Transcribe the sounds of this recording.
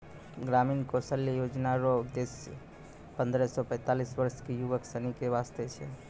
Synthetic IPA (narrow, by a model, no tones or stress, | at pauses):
ɡɾaminkosəljəjod͡ʒnaɾɔd̪es | pənd̪ɾɛsɔpə̃ɪ̃t̪alisʋəɾskejuʋəksənikeʋast̪et͡ʃʰɛ̰